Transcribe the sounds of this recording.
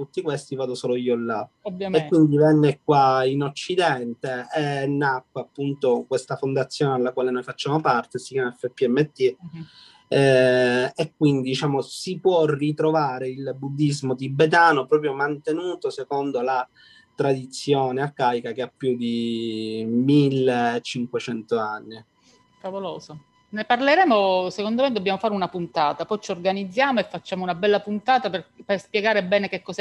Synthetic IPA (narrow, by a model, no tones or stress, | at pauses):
t̪ut̪ːikwest̪ivaːd̪osoːloiːolːa | ekkːwind̪ivɛnːekwainot͡ʃːid̪ɛnt̪eenːakːwaapːunt̪okwest̪afond̪at̪sːjoːnealːakwaːlenojfat͡ʃːaːmopart̪esi̥kjaːmaɛfːepːiɛmːet̪ːi | ɛ | ekːwind̪id̪it͡ʃaːmosipwɔrit̪ɾovaːɾeilbud̪ːizmod̪ibet̪̬aːnopɾɔːp̬ɾjomant̪enuːt̪osekond̪ola | t̪ɾad̪it̪sːjoːneakaːjikakeapːjud̪i | milːeːt͡ʃiŋkwet͡ʃɛnt̪oanːi | favoloːzo | neparleɾɛːmosekond̪omed̪ːobːjaːmofaːɾeunapunt̪aːt̪apɔjt͡ʃiorɡanid̪zːjaːmoefːat͡ʃːaːmounabɛlːapunt̪aːt̪aperperspjeɡaːɾebɛːnek̟ekːɔsɛ